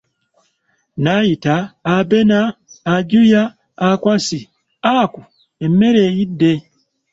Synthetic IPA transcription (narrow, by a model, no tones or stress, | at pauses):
najitaːbenaːɟujaː | kwasi | aku | emːe̞ɾeːjidːe